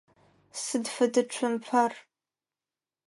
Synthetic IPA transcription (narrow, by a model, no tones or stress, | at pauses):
sɨdfɐdɨʈ͡ʂʷʰʊmpʰar